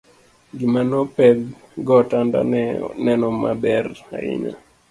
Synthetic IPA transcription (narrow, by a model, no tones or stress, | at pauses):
ɡimanɔpɛɡ | ɡɔtanda̰nɛnɔmabɛra̰ɪ̰ɲa̰